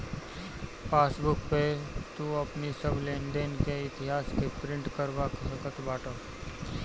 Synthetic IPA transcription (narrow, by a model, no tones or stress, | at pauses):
paːsbʊkpet̪uəpnisəbʱlẽːɳɖenkeɪt̪ɪɦaːskepɾɪ̃ɳʈkəɾʋaksəkət̪baːʈoː